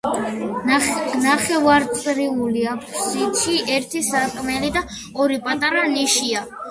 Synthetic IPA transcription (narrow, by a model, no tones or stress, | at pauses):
naχɛvaɾt̪sʼɾiuliapʰsit̪ʃiʔɛɾt̪ʰisakʼmɛlid̪a | ɔɾipʼat̪ʼaɾaniʃia